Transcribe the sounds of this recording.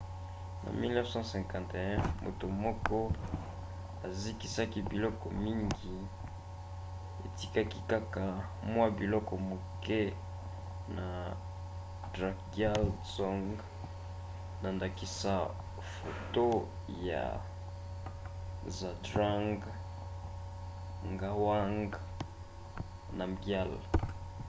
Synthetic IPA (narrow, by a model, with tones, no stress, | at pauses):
na̰˨mi˦lnɛ˦fsɑ̃˦sɛ̃˨kã˨nte˨ɛ̃˦mo̰˨to˨mɔ˦kɔ˦ | a˨zi˦ki˦sa˦ki˦bi˨lɔ˦kɔ˨mi˦ŋɡi˨ | e˨ti˦ka˦ki˦ka˦ka˨ | mwa˦bi˨lɔ˦kɔ˨mo˨kɛ˦ | na˨ | dʁa˨kɡa˦lsɔ˦ŋɡ | na˨nda˨ki˦sa˦ | fo˨to˦ | ja̰˨ | za˨dʁa˦ŋɡ | ŋɡa˦wa˦ŋɡ | na˨ɡja˦˨l